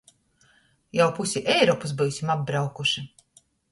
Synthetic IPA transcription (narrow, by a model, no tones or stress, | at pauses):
jawpusʲiʔɛjɾɔːpusbɨwsʲimab̚bɾawkuʃi